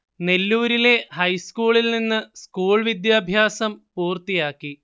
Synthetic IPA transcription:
ne̞lːuːɾile̞hɐjskuːɭilninːɨskuːɭʋid̪jaːbʱjaːsɐmpuːrt̪ijaːkːi

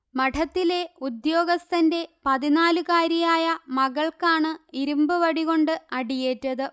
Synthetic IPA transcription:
mɐʈʰɐt̪ːile̞ud̪jo̞ːɡɐst̪ɐnde̞pɐðinaːlukaːɾijaːjɐmɐɣɐɭkaːɳɨiɾumbɨʋɐɽiɣo̞ɳɖɨɐɽije̞ːtːɐðɨ

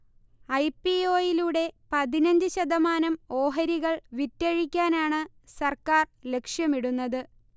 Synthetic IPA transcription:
ɐjpio̞ːjiluɽe̞pɐðinɐɲd͡ʑɨɕɐðɐmaːnɐmo̞ːɦɐɾiɣɐɭʋitːɐɻikʲːaːnaːɳɨ | sɐrkaːrle̞kʂjɐmiɽunːɐðɨ

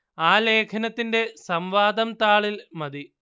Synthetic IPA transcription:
aːle̞ːkʰɐnɐt̪ːinde̞sɐmʋaːd̪ɐmt̪aːɭilmɐd̪i

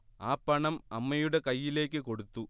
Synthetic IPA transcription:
aːpːɐɳɐmɐmːɐjuɽe̞kɐjːile̞ːkːɨko̞ɽut̪ːu

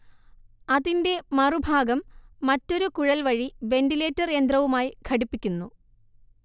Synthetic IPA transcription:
ɐðinde̞mɐrubʱaːɡɐmːɐtːo̞ɾukuɻɐlʋɐɻiʋe̞ndile̞ːtːɐre̞nd̪rɐʋumaːjikʰɐɽipːikʲːunːu

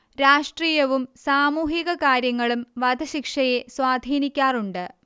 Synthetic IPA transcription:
ɾaːʂʈriːjɐʋumsaːmuːɦiɣɐkaːɾjɐŋːɐɭumʋɐd̪ɐɕikʂɐje̞swaːd̪ʱiːnikʲːaːruɳɖɨ

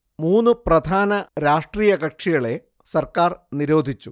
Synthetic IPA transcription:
muːnːuprɐd̪ʱaːnɐɾaːʂʈriːjɐkɐk̚ʂiɣɐɭe̞ | sɐrkaːrniɾo̞ːd̪ʱit͡ɕːu

